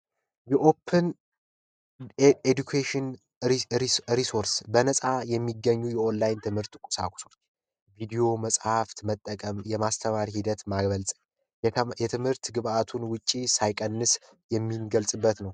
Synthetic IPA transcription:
jɛʔo̞pʰːɨn | ed̪ukʰeʃɪn | ɾɾisoɾsbənəsʼajɛmːiɡːəɲːujɛʔonlajnt̪ʰɨmhɨɾt̪kʷʼʊ̥sa̰kʷʼʊ̥so | vid̪io̞məsʼhaft̪mət̪ʼːəkʼəmjɛmast̪ʰəmaɾihid̪ət̪maɡβəlsʼɲ | jɛt̪ʰɨmhɨɾt̪ɡɨβʔat̪ʰunwʊt͡ʃʼːisajkʼənːɨs | jɛmːinɡəlsʼɨbːət̪nəw

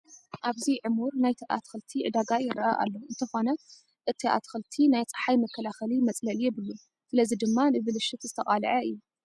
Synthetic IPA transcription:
ʔaβziʕɨmuɾnajt̪ʰiʔa̰t̪xɨlt̪ʰiʕɨd̪aɡajɪɾɐʔaʔa̰lːo̞ɨnt̪ʰɐxo̞nɐ | ʔɨt̪ʰiʔa̰t̪xɨlt̪ʰinajt͡sʼɨ̥ħajmɐkʰːɐlaxɐlimɐt͡sʼlɐljɛβɨlu | sɨlɐzid̪ɨmːanɨβɨlɨʃɨt̪zɨt̪ʰɐχʼalʕɐɨ̰jːu

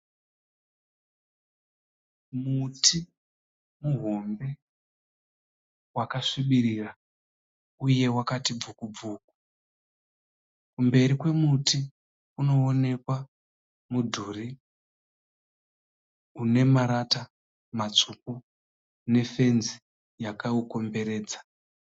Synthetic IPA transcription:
mutʰi | muɦo̞mbe̞ | wakaʂiɓiɾira | uje̞wakatib͡vukub͡vuːk̚u̥ | kumbe̞ɾikwe̞muti | uno̞ːne̞kwa | mudʱuːri | une̞maɾata | mat͡suku | ne̞fe̞nzi | jakauko̞mbe̞ɾe̞ːd͡zḁ

